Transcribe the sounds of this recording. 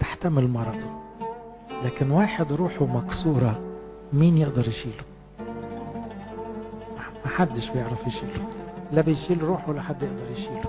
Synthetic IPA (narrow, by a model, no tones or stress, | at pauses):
t̪ɪ̥ħt̪amɪlmɑɾˤɑd̪ˤu | laːkɪnwaːħɪd̪ɾuːħumaksuːɾˤɑ | miːnjɪʔd̪ɑɾˤjʃiːlʊ̥ | mamaħad̪ːɪʃbjɪʕɾafjɪʃiːluʔɪlːabɪjʃiːluɾˤuːħuwalːaħad̪ːjɪʔd̪ɑɾˤjʃiːlu̥